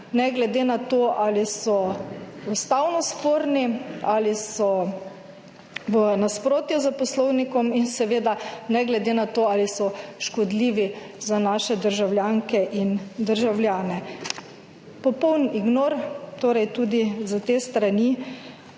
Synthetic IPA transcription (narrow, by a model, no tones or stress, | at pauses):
nɛɡlɛd̪enat̪oʔalisɔust̪awnɔspoːɾnialisɔ | ʋənaspɾoːt̪juzapɔslɔwnikɔminsɛʋeːd̪anɛɡlɛd̪enat̪oːalisɔʃkɔd̪liːʋi | zanaːʃɛd̪əɾʒawljaŋkɛʔind̪əɾʒawljaːnɛ | pɔpɔwniɡnoːɾt̪oːɾɛjt̪ud̪izat̪eːst̪ɾani